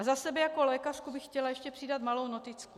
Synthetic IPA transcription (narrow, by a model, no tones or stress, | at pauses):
azasɛbɛjako̞lɛːkarkubɪxcɛlajɛʃcɛpr̥ɪdat̪malo̞wno̞t̪ɪt͡sku